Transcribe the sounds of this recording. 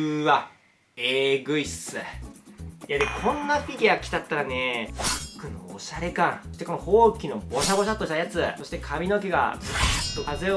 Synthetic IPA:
βa | eːɡɯ̟isɨ | jad̪ekʰõ̞nːapʲikʲiɡakʲi̥t̪at̪ːaɾane̞ɸakɯ̟noo̰ɕaɾe̞kãŋ̃sɕi̥t̪eko̞nohoːkʲino̞bo̞ɕabo̞ɕat̪ːoɕi̥t̪ajat͡sɨso̞ɕi̥t̪e̞kʰamʲino̞k̬ʲeɡa̰bɯat̪ːokaze

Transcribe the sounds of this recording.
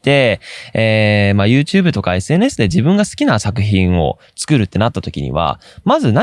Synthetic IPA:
t̪e̞eːmajɯ̟ːt͡ɕɨːbɯ̟t̪o̞kae̞sɨe̞ːnesɨd̪e̞d͡ʑibɯ̟̃ŋɡasɨ̥kʲinasakɯ̟çĩɰ̃o̞̰ | t͡sɨ̥kɯ̟ɾɯ̟t̪ːe̞nat̪ːat̪o̞kʲḭɲ̟ḭβ̞a̰mazɨna

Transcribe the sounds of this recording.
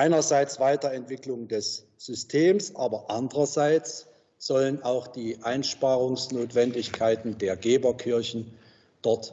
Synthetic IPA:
ʔaɪnɐzaɪt͡sv̥aɪtɐɛntv̥ɪklʊŋdɛs | z̥ʏstʰeːmsʔaːbɐʔandəʁɐzaɪt͡s | z̥ɔlənaʊxd̥iːʔaɪnʃpaːʁʊŋsnoːtv̥ɛndɪçkʰaɪtn̩deːɐɡeːbɐkʰɪɐçn̩ | d̥ɔɐt

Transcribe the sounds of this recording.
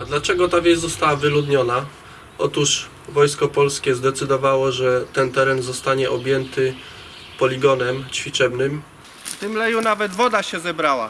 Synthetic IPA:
ad̪lat͡ʂɛɡɔt̪avʲɛzzɔst̪awavɘlud̪ɲɔna | ɔt̪uʂ | vɔjskɔpɔlskʲɛzd̪ɛt̪sɘd̪ɔvawɔʐɛt̪ɛnt̪ɛɾɛnzɔst̪aɲɛʔɔbʲjɛnt̪ɘ | pɔlʲiɡɔnɛmt͡ɕfʲit͡ʂɛbnɘm | ft̪ɘmlɛjunavɛd̪vɔd̪aɕɛzɛbɾawa̰

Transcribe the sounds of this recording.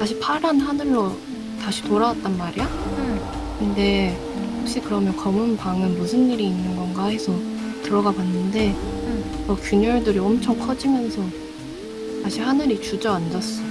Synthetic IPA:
taɕʰipʰaɾanɦanɯɭːo | taɕʰi̥toɾawat̚t͈anmaɾija | kɯnde̞ | hok̚ɕ͈ikɯɾʌmjʌnkʌmunpaŋɯnmusʰɯnːiɾiːnːɯnɡʌnɡaɦe̞sʰʌtɯɾʌɡapanːɯnde̞ | ʌkjuɲʌɭdɯɾiʌmt͡ɕʰʌŋkʰʌd͡ʑimjʌnsʰʌ | taɕʰihanɯɾit͡ɕud͡ʑʌand͡ʑʌs͈ʌ

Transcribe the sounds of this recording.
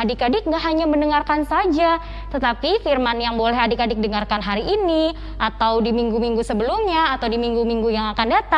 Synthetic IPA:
adikadɪk̚ŋɡaʔɦaɲaməndəŋarkansad͡ʒa | t̪ət̪apifirmanjaŋbolɛɦadikadɪk̚dəŋarkanɦaɾiʔini | ʔat̪awdimiŋɡumiŋɡusəbəlumɲaːt̪awdimiŋɡumiŋɡujaŋakandat̪a

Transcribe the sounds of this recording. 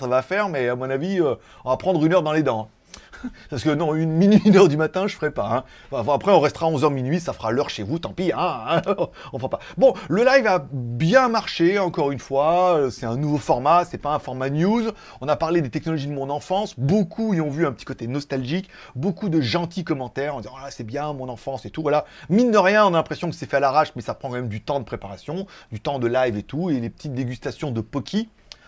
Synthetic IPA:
savafɛʁmɛamɔ̃naviø | ɔ̃vapχɑ̃d̪ʁynœʁd̪ɑ̃led̪ɑ̃ɛ̃ | pasə̥kənɔ̃ynminɥinœʁd̪ymat̪ɛ̃ʒəfəʁɛpaɛ̃ | vavapχɛɔ̃ʁɛst̪əʁaɔ̃zœʁminɥisafəʁalœʁʃevut̪ɑ̃piɛ̃ | ɔ̃fəʁapabɔ̃ləlajivabjɛ̃maʁʃeɑ̃kɔʁynfwaøsɛt̪ɛ̃nuvofɔʁmasɛpaɛ̃fɔʁmanjuz | ɔ̃napaʁled̪et̪ɛknɔlɔʒid̪əmɔ̃nɑ̃fɑ̃sbokʰuiɔ̃vyɛ̃pə̥t̪ʰi̥kɔt̪enɔst̪alʒik | bokud̪əʒɑ̃t̪ʰikɔmɑ̃t̪ɛʁɑ̃d̪izɑ̃lasɛbjɛ̃mɔ̃nɑ̃fɑ̃set̪uvwalaminːəʁjɛ̃ɔ̃nalɛ̃pχesjɔ̃kə̥sɛfɛalaʁaʃmɛsapχɑ̃kɑ̃mɛmd̪yt̪ɑ̃d̪əpχepaʁasjɔ̃d̪yt̪ɑ̃d̪əlajvet̪uelepə̥t̪it̪̚d̪eɡʲyst̪asjɔ̃d̪əpɔkʲʰi

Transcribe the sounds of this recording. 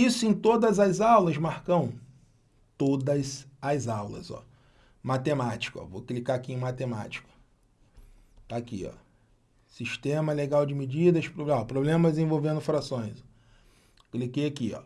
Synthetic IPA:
isʊẽj̃t̪od̪ɐzɐzawlɐzmahkɐ̃w̃ | t̪od̪ɐzɐzawlɐ̰zɔ̰ | mat̪emat͡ʃi̥kʊɔ̰voklikaakiẽmat̪ema̰t͡ʃi̥kʊ̥ | t̪aːkḭɔ̰ | siʃt̪ẽmɐleɡawd͡ʒɪmid͡ʒid̪ɐʃpɾobɔpɾoblẽmɐdezẽvowvẽnd̪ʊfɾasõj̃zɔ | klikejakiɔ̰

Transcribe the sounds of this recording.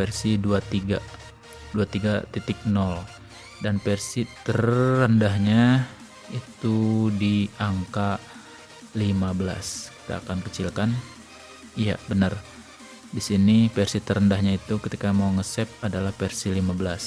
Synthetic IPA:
fɛrsiduat̪iɡa | duat̪iɡat̪it̪ik̚nɔl | danpɛrsit̪ərːəndaɦɲa | it̪udiaŋka | limabəla̰ski̥t̪a̰ːkankət͡ʃilkan | ija̰bənər | disinifɛrsit̪əɾəndaɦɲait̪ukət̪ikamauŋəsɛp̚adalahpɛrsilimabəlas

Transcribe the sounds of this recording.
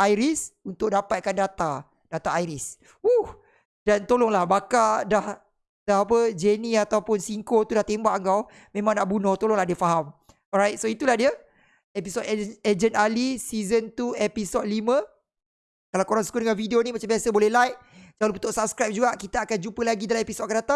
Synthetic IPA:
ʔajɾisunt̪ʊk̚dapat̪̚kandat̪a | d̥at̪aajɾis | uh | dant̪olɔŋlahbakadah | daɦap̬əd͡ʒenĩat̪awpʊnsiŋkot̪udaht̪embaʔəŋkaw | mẽmãŋnaʔbunʊht̪olɔŋlahdiəfaɦam | ɔɾajt̪̚soit̪ulahdiə | ɛpisodened͡ʒənalisizənt̪uepisɔt̚limə̃ | kalawkoɾaŋsu̥kudəŋanfidionĩmat͡ʃambiasəbolɛhlajk̚d͡ʒalupət̪ʊʔsap̚skɾajp̚d͡ʒuɡaʔkit̪aakand͡ʒupəlaɡidalamepisɔt̚kandat̪a

